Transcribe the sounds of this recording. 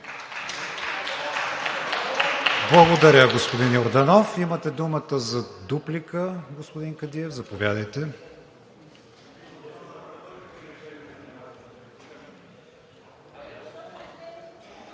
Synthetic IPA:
blˠɐɡod̪ɐɾʲəɡospod̪injoɾd̪ɐnɔfimət̪ɛd̪umət̪əzɐd̪uplikəɡospod̪iŋkɐd̪iɛvzɐpovʲjad̪əjt̪ɛ

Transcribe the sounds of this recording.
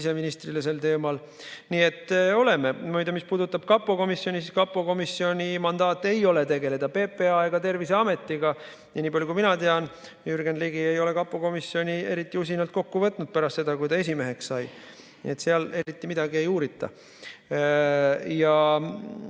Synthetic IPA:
ise̞minist̪riles̬e̞lt̪e̞ːmɑl | niːe̞t̪ːˑo̞le̞me̞mujd̪emispuːd̪ut̪ːˑɑb̥kɑpːˑo̞ko̞misːjo̞nʲisiskɑpːˑo̞ko̞misːio̞nʲimɑnd̪ɑːt̪ːˑe̞jo̞le̞t̪e̞ɡe̞le̞d̪̥ɑpeːpe̞ɑeɡ̥ɑt̪e̞rviseɑme̞t̪ˑːiɡɑ | jɑniːpɑljukuiminɑt̪e̞ɑn | jyrɡenliɡ̥ie̞jo̞le̞kɑpˑːoko̞misːio̞nʲie̞ɾit̪ːˑiusinɑlt̪̚ko̞kːuvɤt̪ːˑnud̪̚pæɾɑst̪se̞d̪̥ɑkujd̪ɑe̞s̬ʲime̞ɦe̞kssɑj | nḭe̞t̪seɑle̞ɾit̪ːˑimid̪ɑɡie̞juːɾit̪ːˑɑ̰ | jɑ

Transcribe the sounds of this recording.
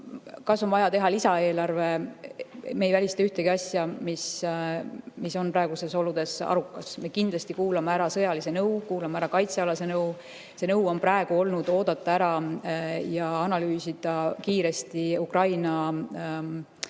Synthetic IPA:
kɑsːo̞nvɑjɑt̪e̞ɦɑlisɑe̞ːlɑrve̞ | me̞jvælʲist̪eyht̪eɡ̥iɑsʲjɑmis | miso̞npɾɑe̞ɡ̥use̞so̞lud̪̥e̞sɑ̰ɾukːˑɑsme̞kind̪lɑst̪ikuːlɑmeæɾɑsɤ̞jɑlisenɤwkuːlɑmeæɾɑkɑjt̪seɑlɑse̞nɤw | se̞nɤwo̞nprɑe̞ɡ̥uo̞lnud̪̥o̞ːd̪̥ɑt̪ːˑɑæɾɑ | jɑɑnɑlyːsid̪̥ɑkiːɾe̞st̪iukrɑjnɑ

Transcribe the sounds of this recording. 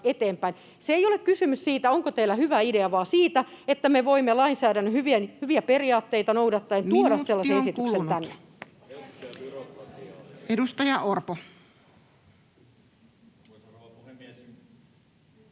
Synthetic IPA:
et̪eːmpæin | seejolekkysymyssiːt̪æoŋkot̪eilːæhyʋæideɑʋɑːsiːt̪æet̪ːæmeʋoimːelɑinsæːɾænːæhyʋienhyʋiæperiɑːt̪ːeijt̪ɑnowdɑt̪ːɑent̪uodɑsselːɑseesit̪yksent̪ænːe | edust̪ɑjɑʔorpo

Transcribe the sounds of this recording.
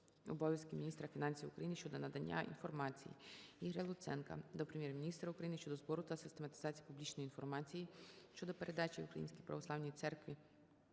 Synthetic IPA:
ɔbɔʋʲjɐskɪmʲinʲist̪ɾɐfʲinɑnʲsʲiwʊkɾɐjinɪʃt͡ʃɔd̪ɔnɐd̪ɐnʲːa̰ḭnfɔrmɑt͡sʲḭjḭiɦɾʲɐlˠʊt̪sɛnkɐ̰d̪ɔpɾemʲjɛrmʲinʲist̪ɾɐʊkɾɐjinɪʃt͡ʃɔd̪ɔzbɔɾʊt̪ɐsɪst̪emɐt̪ɪ̥zɑt͡sʲijipublʲit͡ʃnɔjinfɔrmɑt͡sʲijiʃt͡ʃɔd̪ɔpeɾʔed̪ɑt͡ʃiukɾɐ̰jḭnsʲkʲijpɾɐ̰ʋɔsˠɑwnʲijit̪sɛrkʋʲi

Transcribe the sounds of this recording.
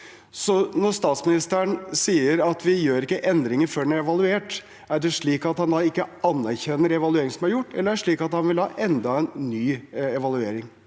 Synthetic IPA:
sɔnɔɾst̪ɑːt̪smɪnɪst̪əəɳsiːəɾɑt̪ʰʋɪjøːɾɪkːəʔɛnd̪ɾɪŋəɾfɔɖɛnæɾɛʋɑlˠʉeːʈ | æɖɛʂɭiːkɑt̪hɑnd̪ɑɪkːəɑnːæɾçɛnːəɾɛʋɑlʉeːɾɪŋsɔmæɾjʊʈːɛ̰lːəɾæʂɭiːkɑt̪hɑnʋɪlhɑ̰ːʔɛnd̪ɑɛnːyːɛʋɑlʉeːɾɪŋ

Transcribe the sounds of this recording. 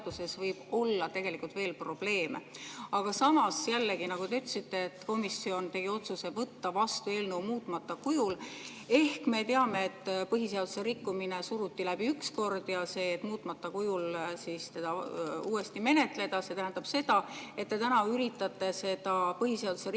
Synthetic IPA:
d̪̥use̞svɤjb̥o̞lːɑt̪e̞ɡ̥e̞likult̪ve̞ːlpro̞b̥le̞ːmeɑɡ̥ɑsɑmɑsjælːeɡinɑɡut̪e̞yt̪ːsit̪ːe̞et̪ːko̞misio̞nt̪e̞ɡ̥io̞t̪suse̞vɤt̪ːɑvɑst̪ue̞ːlneumuːt̪ːˑmɑt̪ːˑɑkujul | e̞hkme̞t̪e̞ɑme̞et̪ːpɤɦise̞ɑd̪̥use̞ɾikːumine̞suɾut̪ːilæb̥iyksko̞rd̪̥jɑse̞ːet̪ːˑmuːt̪ːˑmɑt̪ːɑkujulsist̪e̞d̪̥ɑuːe̞st̪ime̞ne̞t̪ˑle̞d̪̥ɑse̞t̪æɦænd̪ɑb̥se̞d̪̥ɑe̞t̪ːe̞t̪ænɑyɾit̪ːˑɑt̪ːe̞se̞d̪̥ɑpɤɦise̞ɑd̪̥use̞

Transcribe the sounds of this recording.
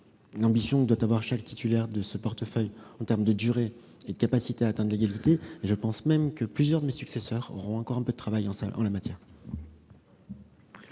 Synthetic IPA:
lɑ̃bisjɔ̃d̪wat̪avwaʁʃakt̪ʰit̪ʰylɛʁd̪əsəpɔʁt̪əfœjɑ̃t̪ɛʁmd̪əd̪yʁe | ed̪əkapasit̪eaːt̪ɛ̃d̪d̪əleɡalit̪eeʒəpɑ̃smɛmkəplyzjœʁd̪əmesyksesœʁo̰ʁɔ̃ɑ̃kɔʁɛ̃pød̪ət̪χavajɑ̃sa̰ɑ̰̃lamat̪ʰjɛːʁ

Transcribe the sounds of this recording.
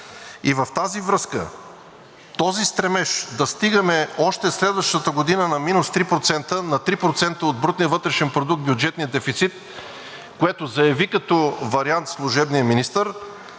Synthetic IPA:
ivɐft̪azivɾɤskə̰ | t̪ɔzist̪ɾɛmɛʃd̪ɐst̪iɡəmɛɔʃt̪ɛslɛd̪vəʃt̪ət̪əɡod̪inənɐminʊst̪ɾipɾot̪sɛnt̪ənɐt̪ɾipɾot̪sɛnt̪əod̪̚bɾut̪nijəvɤt̪ɾɛʃɛnpɾod̪uk̚t̪bjʊd͡ʒɛt̪nijəd̪ɛfit̪sit̪ | koɛt̪ʊzɐjɐvikɐt̪ɔvɐɾiant̪slˠʊʒɛbnijəminist̪əɾ

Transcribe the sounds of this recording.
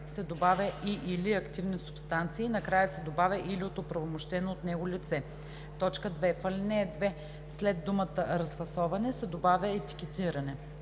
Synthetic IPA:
sɛd̪obavʲəʔiʔiliɐkt̪ivnisʊ̥pst̪ant̪siːnɐkɾajəsɛd̪obavʲəʔiliot̪opɾɐvomoʃt̪ɛnoːt̪nɛɡolit̪sɛ | t̪ɔt͡ʃkəd̪vɛfəlɛnɛd̪vɛ | slɛd̪dːumət̪əɾɐsvɐsɔvɐnɛsɛd̪obavʲjəɛt̪i̥kʲɛt̪iɾɐnɛ

